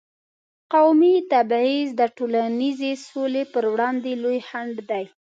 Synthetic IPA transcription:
qawmit̪abizd̪əʈolanizesolepəɾwɽɑnd̪elojhaɳɖd̪aj

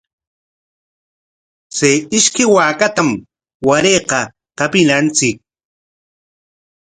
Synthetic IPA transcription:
t͡sejɪʃkɪwaːkat̪am | waɾeːqɑ | qapɪnant͡sɪk̚

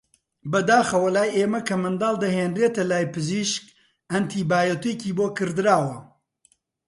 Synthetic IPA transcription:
bɐd̪aːxɐwɐlaːjʔeːmɐkʰɐmɨnd̪aːlˠd̪ɐɦeːnreːt̪ɐlaːjpɨziʃk | ɐnt̪ʰiːbaːjɐt̪ueciːboːkɨɾd̪ɨɾaːwɐ

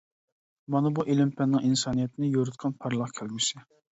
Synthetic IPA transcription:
mɑnɨbuʔelɪmpʰɛnːɪŋinsɑːnijɛt̪ʰnɪjoɾɨt̪̚qʰɑnpʰɑɾlˠɑχkʲʰælɡʲysɪ

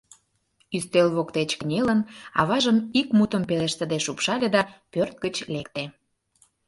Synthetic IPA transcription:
yst̪elβokt̪et͡ɕkənʲelənɑ̰βɑʒəmikmut̪əmpeleʃt̪ə̆d̪eʃupʃɑlʲed̪ɑpørt̪̚ɡət͡ɕlekt̪e

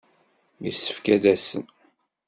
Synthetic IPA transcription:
mḭsə̥fkæd̪æsə̰n

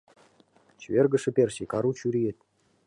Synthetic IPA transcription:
t͡ɕvʲerɡə̆ʂɘ̆pʲerʲsikɑɾut͡ɕyɾʲijet̪̚

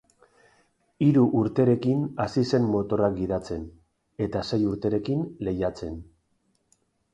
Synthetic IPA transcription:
iɾuʔuɾt̪e̞ɾe̞kinasise̞mmo̞t̪o̞rak̚ɡiðat͡se̞n | e̞t̪ase̞juɾt̪e̞ɾe̞kinle̞jat͡se̞n

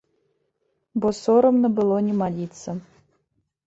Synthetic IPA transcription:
bosoɾəmnəbɨlˠonʲɪmalʲit̪sə

